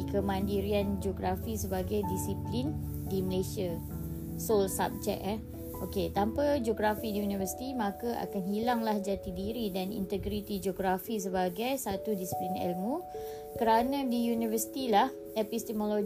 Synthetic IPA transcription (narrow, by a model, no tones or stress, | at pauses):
kəmãndiɾiand͡ʒoɡɾafisəbaɡajdisiplin | diməlesia | solsa̰p̚t͡ʃɛ̰ʔɛ | oket̪ampad͡ʒoɡɾafidiunivəsi̥t̪imãkaʔa̰kanɦilaŋlahd͡ʒat̪idiɾidanḭnt̪əɡɾit̪id͡ʒoɡɾafis̬əbaɡajsat̪udisi̥plinɛ̰lmu | kəɾanãdijunivəsi̥t̪ilah | epist̪ɛmolo